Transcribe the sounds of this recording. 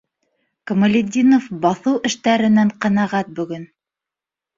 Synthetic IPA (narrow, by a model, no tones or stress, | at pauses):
kŏmə̆lʲɪd̪ʲinofbɑθɤwʔɘ̆ʃt̪æɾɘ̆næɴqɑnæʁæt̪̚bɵ̆ɡɘn